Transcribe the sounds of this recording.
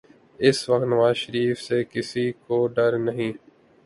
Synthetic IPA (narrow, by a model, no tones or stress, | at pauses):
ɪsʋək̚t̪nəʋaːzʃəɾiːfseːkɪsiːkoːɖəɾnəɦĩː